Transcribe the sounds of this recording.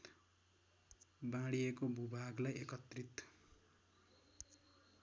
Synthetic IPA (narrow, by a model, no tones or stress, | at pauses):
bãɽiekobʱubʱaɡlajekʌt̪rit̪